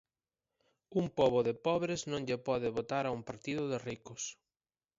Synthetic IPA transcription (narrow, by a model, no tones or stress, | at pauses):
umpɔβʊðɪpɔβɾɪznõŋʎepɔðɪβot̪aɾaumpaɾt̪iðʊðɪrikʊs